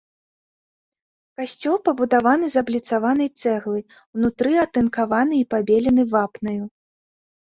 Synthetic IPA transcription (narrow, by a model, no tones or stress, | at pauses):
kasʲt͡sʲɔlˠpɐbud̪avanɨzɐblʲit̪savanɐjt̪sɛɣlˠɨ | wnut̪ɾɨat̪ɨnkavanɨipabʲelʲɛnɨvapnɐju